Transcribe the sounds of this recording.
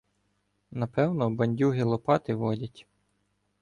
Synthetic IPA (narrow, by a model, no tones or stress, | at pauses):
nɐpɛwnɔbɐnʲdʲuɦɪlˠɔpɑt̪ɪʋɔdʲɐtʲ